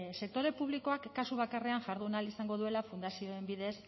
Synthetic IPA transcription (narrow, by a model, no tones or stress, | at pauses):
se̞k̚t̪o̞ɾe̞puβ̞liko̞akːasuβakare̞aŋʝaɾðunalisaŋɡo̞ðue̞lafund̪asio̞e̞mbiðe̞s